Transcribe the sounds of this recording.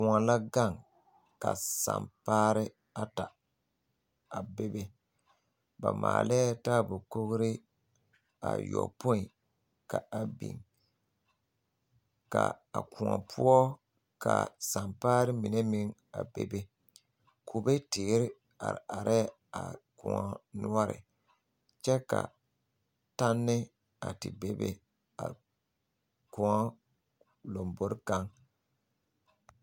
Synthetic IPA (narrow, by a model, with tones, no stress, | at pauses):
ku˨a˨la˦ɡa˦˨ŋ | ka˨sa˨mpaː˦ɾɪ˦ | a˦ta˨ | a˨be˦be˦ | ba˨ma̰ː˨lɛ˦ta˦˨bʊ˨ko˦ɣɾɪ˦ | a˨jɔ˨po˦i˨ | ka˨a˨bḭ˨ŋ | ka˨a˨ku˨a˨pʰu˦ɔ˦ | ka˨sa˨mpaː˦ɾɪ˦mi˨nɛ˦mi˦ŋa˨bḛ˦be˦ | kʰo˨bɛ˦teː˨˦ɾɪ˦ | a̰˨ɾa˨ɾʔɛ˦ | a˨kũ˨ŋɔ˨nu˦ɔ˦ɾɪ̰˨ | t͡ʃɛ˦ka˨ | ta˦nːɪ˦ | a˨tɪ˨be˦bḛ˦ | a˨ | ku˨ɔ˦ | lo˨mbo˨ɾka˦ŋ